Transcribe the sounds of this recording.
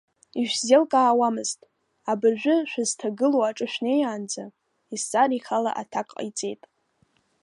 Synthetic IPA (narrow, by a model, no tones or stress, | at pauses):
iʃʷᶣzelkʼaːwamɨztʼ | abaʒᶣʷʊʃʷᶣaztʰaɡɨloaʈ͡ʂʼɨʃᶣnejaːnd͡za | ist͡sʼaɾiχala̰ʔa̰tʰakʼqʼit͡sʼe̞jtʼ